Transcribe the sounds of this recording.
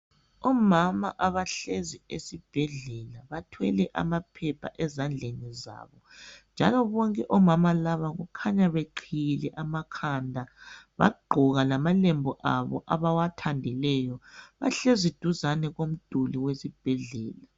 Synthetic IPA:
ɔmama̰ʔaβaɬeziesib̥ʱɛɮɛlaβatʰwɛlɛʔa̰mapʰɛpʰa̰ʔɛzand͡ɮʱeniza̰ːβɔnd͡ʒʱalɔβɔŋkʼɛʔɔmamalaβaɣukʰaɲaβeǃʰijlɛʔamakʰandʱaβa̰ɡ͡ǃʱuɣalamalembʱɔʔaβɔʔaβawatʰandʱilɛjɔβa̰ɬezid̥ʱuzanɛɣom̩d̥ʱuliwesib̥ʱɛɮɛːla

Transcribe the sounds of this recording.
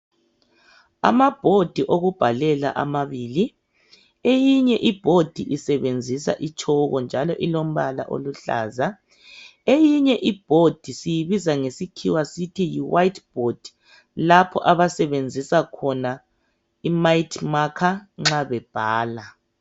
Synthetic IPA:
a̰mab̥ʱod̥ʱiʔoɣub̥ʱalɛla̰ʔa̰maβiːli | ejiɲɛʔib̥ʱod̥ʱiʔisɛβend͡zʱisa̰ʔit͡ʃʰʼɔɣɔnd͡ʒʱalɔʔilom̩βala̰ʔo̰luɬa̰ːza | ejiɲɛʔib̥ʱod̥ʱisijiβizaŋesikʰiwasitʰijiwajtʰʼb̥ʱod̥ʱi | lapʰɔʔaβasɛβend͡zʱisakʰɔna | imajitʰʼmakʰaŋ͡ǁaβɛb̥ʱaːla

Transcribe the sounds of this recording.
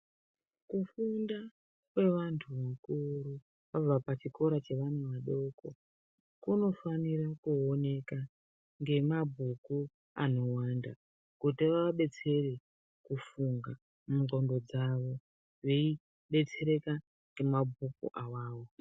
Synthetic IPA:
kufunda | kwe̞ʋantʰuʋakuɾu | pab͡vapat͡ʃiko̞ɾat͡ʃe̞ʋan̤uʋaɗo̞ko̞ | kuno̞faniɾakuone̞ka | ŋɡe̞mabʱuku | a̰no̞wanda | kutiʋaʋaɓe̞t͡se̞re | kufuŋɡa | mmuɡo̞ndo̞d͡zaʋo̞ | ʋei | ɓe̞t͡se̞ɾe̞ka | ŋɡemabʱukṵʔawaːwo̞

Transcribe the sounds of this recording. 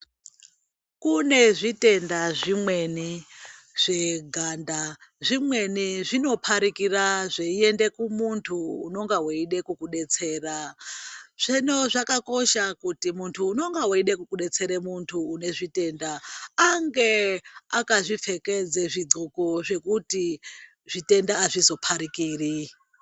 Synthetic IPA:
kune̞ʐite̞ndaʐimweni | ʐ̥e̞ɡʱandaʐimwe̞niʐino̞pʰaɾikiraʐeie̞nde̞kumuntʰuːno̞ŋɡawoiɗe̞kukuɗe̞t͡se̞ːra | ʐ̥eno̞ʐakako̞ʃakutimuntʰuːno̞ŋɡawoiɗekukuɗe̞t͡se̞ɾemuntʰuːne̞ʐite̞ndaːŋɡe̞akaʐip͡fe̞ked͡zeʐid͡zokoʐe̞kuti | ʐ̥ite̞ndaːʐizo̞pʰaɾikiːri

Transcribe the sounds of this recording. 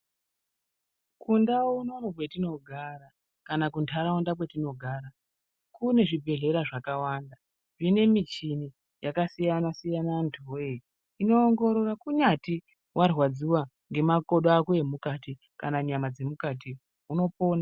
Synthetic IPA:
kundauno̞nok̬we̞tino̞ɡʱaɾa | kanakuntʰaɾaundakwe̞tino̞ɡʱaːɾa | kune̞ʐibʱe̞ɮe̞ɾaʐakawaːnda | ʐine̞mit͡ʃini | jakasijanasijanantʰoe | ino̞ːŋɡo̞ɾo̞rakuɲati | wʔarwad͡ziwa | ŋɡe̞mako̞ɗaakuemukati | kanaɲamad͡ze̞mukati | uno̞po̞ːna

